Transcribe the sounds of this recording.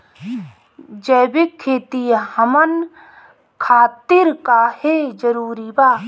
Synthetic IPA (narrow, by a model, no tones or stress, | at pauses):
d͡ʒəːbɪkʰːeːt̪ihɐmən | kʰaːt̪ɪɾkaːhed͡ʒɐɾuːɾibaː